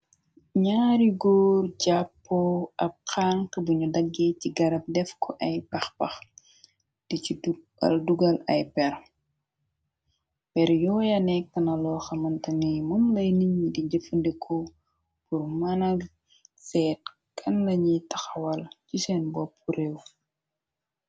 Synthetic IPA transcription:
ɲaːɾiɡɔːrɟapːɔʔɐp̚xaːŋkɐbuɲudɐɡːeciɡɐɾɐp̚dɛfkɔʔɐjpɐxpɐx | d̥ici | ɐ̰lduɡɐlɐ̰jpɛɾ | bɛɾjɔːjɐnɛk̚tɐnɐlɔːxɐmɐntɐŋimumlɐjniɲːidiɟəfəndikʰɔ | purmɐnɐɡ | sɛːt̚ | kʰɐnːɐɲitɐxɐwɐlcisɛnbɔpʰːuɾew

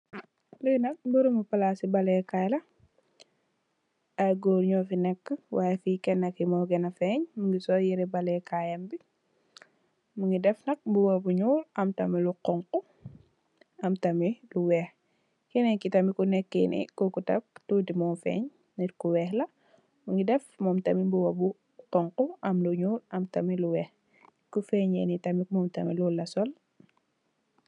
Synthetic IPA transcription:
lujnɐk̚buɾumupɐlasibɐlɛkajlɐ | ɐjɡoːɾɲɔfinɛkːəwajɛfikɛnɐkimɔɡɛnɐfɛɲmuŋɡisɔːjiɾɛbɐlɛkajɐmbi | muŋɡidɛfnɐk̚buwobuɲuːlʔɐmtɐmiluqɔŋku | ɐmtɐmiluwɛːx | kinɛɲkitɐmikunɛkːenʔḭkɔkutɐ̰k̚tudimɔːnfɛ̰ɲ | niɾkuwɛːxlɐ | muŋɡidɛfmɔːmtɐmimbuwɐbu | qɔŋquʔɐmluɲuːɾɐmtɐmiluwɛːx | kufɛɲɛ̰ːnitɐmikmɔːmtɐmilulɐsɔl

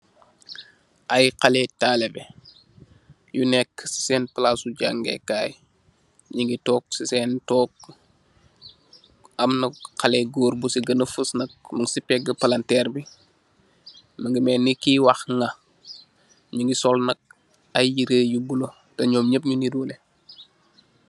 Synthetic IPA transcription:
ʔajqalɛtaːlebɛ | junɛkːsi̥sɛːnplasuɟaŋɡɛ̰kaːj | ɲiŋɡitɔːk̚sisɛntɔːk̚ | ɐmnɐqalɛɡoːɾbusiɡɐnəfəsnɐk̚mɐŋsipɛɡɐpɐlantɛːɾbi | məŋɡimɛːnːikiwɐxŋɐ | ɲiŋɡisɔlnɐk̚ | ɐjjiɾejubulo | tɐɲɔːmɲəp̚ɲunidule

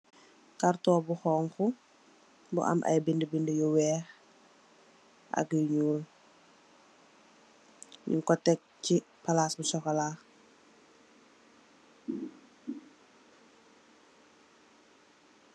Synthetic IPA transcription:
kartɔːbuxɔːŋku | bṵʔa̰mʔɐ̰jbindəbindəjuwɛːx | ʔɐ̰kjuɲuːl | ɲṵŋkɔtɛk̚ci | palasbusɔkalaː

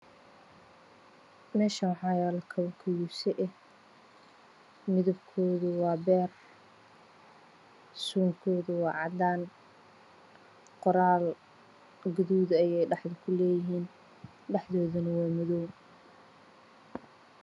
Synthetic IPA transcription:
mɛːʃɐwɑħɑːjɛːlɐkʰɐβɐkʰɐjuːsɛʔɛh | mɪðʊbkʰɔːðʊwɑːbɛːr | suːŋkʰɔːðʊwɑːʕɑd̪aːn | qɔɾaːl | ɡʊðuːðɐjɛjɖɑħðʊkʰʊlɛːjɪɦiːn | ɖɑħðɔːðʊnɐwɑːmɪðɔw

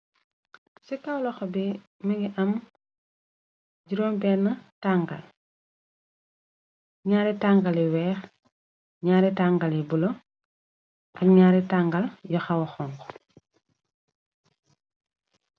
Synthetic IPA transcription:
sikɐwlɔxɔbɛ | mɐɡiʔɐm | ɟiɾoːmbɛːnːɐtaŋɡɐ̰l | ɲaːɾɛtaŋɡɐlɛwɛːx | ɲaːɾɛtaŋɡɐlɛbulo | ʔɐkɲaːɾɛtaŋɡɐljɔxɐwɐxɔːŋkɔ̥

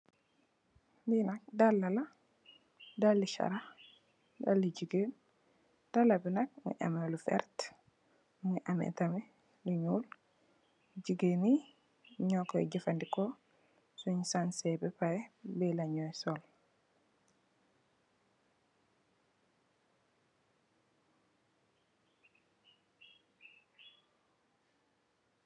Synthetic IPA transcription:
ninɐk̚dalːala | dalːiʃa̰ɾa | dalːid͡ʒiɡen | d̥alabinak̚mṵʔa̰melufɛ̰ɾt | muʔamɛ̰tami | luɲul | d͡ʒiɡeni | ɲɔkɔjɟifandikɔ | suɲsansɛbɛpajɛbɛlaɲɔjsɔl

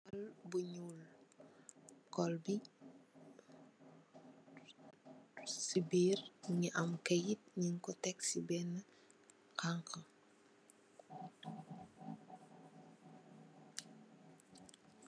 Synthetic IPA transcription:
ɔlbuɲuːl | kɔlbi | sibiːrɲiʔɐmkɐjit̚ɲiŋkɔtɛksibɛnːə | kaŋkə

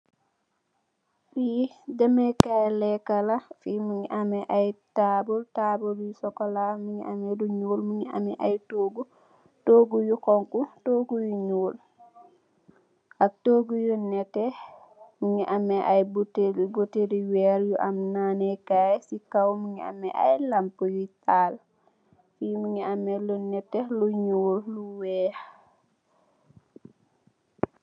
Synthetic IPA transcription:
ɓidɛmɛkajlɛkalafimiŋiʔamɛʔajtabultabuljusɔkɔlamiŋḭamɛduɲoːlmiŋia̰mɛʔajtoɡu | toːɡujukɔŋkutoɡujuɲoːl | ʔak̚toɡujunɛtːɛ | miŋiʔamɛʔajbutɡoteɾiwɛɾjuʔamnanɛkajsikawmiŋia̰mɛʔa̰jlampujutaːl | fimuŋiamɛlunɛtːɛluɲuːlluwɛːh

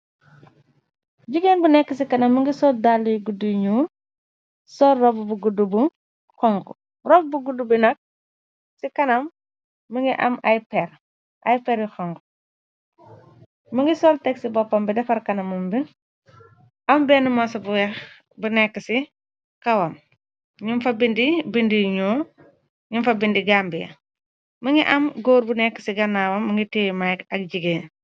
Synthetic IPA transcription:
ɟiɡenbunɛkːəsikɐnɐmːəŋɡisɔːldalːiɡuduɲuːn | sɔrɔbbuɡudubu | xɔŋkṵ | rɔbbuɡudubinɐk̚ | sikɐnɐmː | əŋɡiʔɐ̰mɐjpɛɾ | ʔɐjpɛɾixɔŋku | məŋɡisɔltɛksibɔpːɐmbidɐfɐɾkɐnɐmumbi | ʔɐmbɛːnumɔsɐbɛx | bunɛkːəsi | kɐwɐm | ɲumfɐbindibindiɲoː | ɲumfɐbindiɡaːmbḭ | məŋiʔɐmɡoːɾbunɛkːə̥siɡɐnːaːwɐmːəŋɡitemajkɐk̚ɟiɡeː

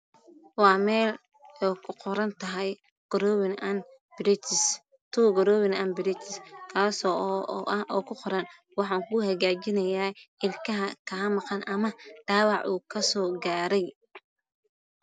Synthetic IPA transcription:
wɑːmɛːl | ɛkʰʊqɔɾɐnt̪ʰɐɦɛj | ɡ̥ɔɾɔːwɪnɐn | b̥ɪɾɪt̪ʰɪs | t̪ʰuɡɔɾɔːwɪnɐnbɪɾɪt̪ʰɪskʰaːsɔːʔʔɐhɔːkʰʊqɔɾɐn | wɑħɑːŋkʰʊhɐɣaːt͡ʃɪnɐjaːɪlkʰɐɦɐkʰaːmɑqɑnʔɐmɐɖ̥aːwɑʕʔuːkʰɐsɔːɡaːɾɛj

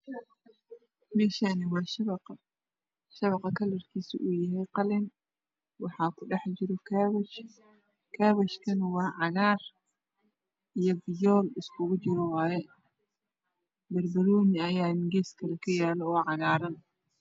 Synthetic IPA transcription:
mɛːʃaːnɪwɑːʃɐβɐq | ʃɐβɐqɑkʰɐlɐrkʰiːsɪ̰ʔujɐɦɛjqɑlɪn | wɑħɑːkʰʊɖɛħt͡ʃɪɾɔkʰːβt͡ʃ | kʰaːβɐʃkʰɐnwɑːʕɑɣaːr | ijɔbɪjɔːlɪskʰʊɣʊt͡ʃɪɾɔwɑːjɛ | bɐrbɐluːnɪɐjaːnɪɡeːskʰɐlɐkʰɐjaːlɔːʕɑɣaːɾɐn

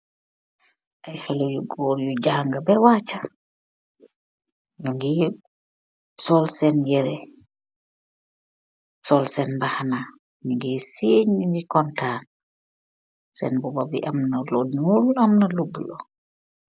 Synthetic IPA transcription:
ʔajxɛlɛjuɡɔɾjud͡ʒaŋɡabɛwaːt͡ʃa | juŋɡi | sɔlsɛnjɛɾɛ | sɔlsɛnbahana | niŋɡɛseɲjuŋɡikɔntaːn | sɛnbɔbabḭʔamnalɔdnulamnalubːulɔ

